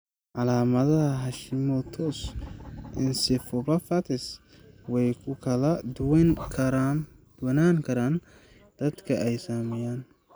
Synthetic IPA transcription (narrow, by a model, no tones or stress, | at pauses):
ʕɑlaːmɐðɐɦɐɦɑʃɪmɔt̪ʰɔːsʔɪnsɪfɔβɐfɐt̪ʰɪs | wɛjkʰʊkʰɐlɐdʊwnkʰɐɾd̪̥wɐnaːŋkʰɐɾaːn | d̪̥ɐd̪kʰɐɛjsaːmɛjaːn